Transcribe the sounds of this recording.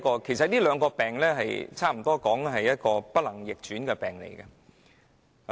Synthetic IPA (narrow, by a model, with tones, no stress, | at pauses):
kɔː˧kʰe˨˩jsɐ˨t̚niː˥lœː˨˧ŋkɔː˧pɛː˨˩ŋlɛː˥ɦɐ˨jt͡sʰaː˥˩m̩˨˩t̪ɔː˥kɔː˨˥ŋɦɐ˨jjɐ˥t̚kɔː˧pɐ˥t̚lɐ˨˩ŋjɪ˨k̚t͡ʃyː˨˥nkɛː˧pɛː˨˩ŋlḛ˨˩jɡɐ˧